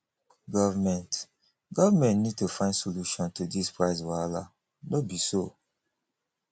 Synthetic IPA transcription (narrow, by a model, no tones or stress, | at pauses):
ɡɔvmɛ̃nt | ɡɔvamɛ̃ntnid̚tufãɪ̃ndsoluʃɔ̃ntudispɹaɪswala | nobiso